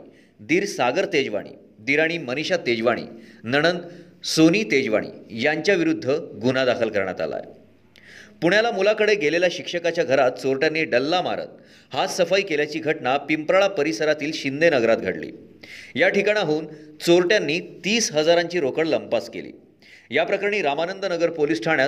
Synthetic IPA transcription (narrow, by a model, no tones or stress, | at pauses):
d̪iːɾsaɡəɾt̪ed͡ʑʋa̰ɽ̃ḭː | d̪iɾaɽ̃iːməniɕat̪ed͡ʑʋaɽ̃ḭːnəɽ̃ənt̪ | soniːt̪ed͡ʑʋa̰ɽ̃ḭːjaɲt͡ɕjaʋiɾud̪ʱːəɡunad̪akʰəlkəɾɳja̰t̪a̰la̰j | puɽjalamulakəɽeɡʱeleljaɕikʂəkat͡ɕjaɡʱəɾat̪̚t͡soɾʈjanːiːɖəlːama̰ɾə̰t̪̚ | hasəfaikeljat͡ɕiːɡʱəʈɳapimpɾaɭapəɾisəɾat̪iːlɕind̪enəɡɾat̪̚ɡʱa̰ɽlḭː | jaʈikaɽ̃aɦuːnt͡soɾʈjanːiːt̪iːsɦəd͡zaɾaɲt͡ɕiːɾokəɽləmpaskḛlḭː | japɾəkaɾɳ̃iːɾamanənd̪ənəɡəɾpolisʈʰaɳja